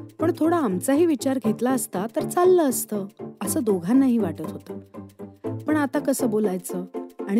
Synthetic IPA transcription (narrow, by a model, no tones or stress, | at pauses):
pəɳt̪ʰoɽaːmt͡saɦiːʋit͡ɕaɾɡʱet̪laəst̪at̪əɾt͡salːəəst̪əːəsəːd̪oɡʱanːaɦiːʋaʈət̪ɦot̪əː | pəɳat̪akəsəːbolajt͡səːaɽ̃